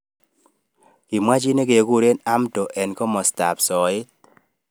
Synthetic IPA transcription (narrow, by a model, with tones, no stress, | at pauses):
ki˨mwa˦t͡ʃi˦ne˦ke˨ku˦ɾe˦na˦mto˨ʔɛ˨nkɔ˦mɔ˨sta̰˨psɔ˨ɪ˦t̚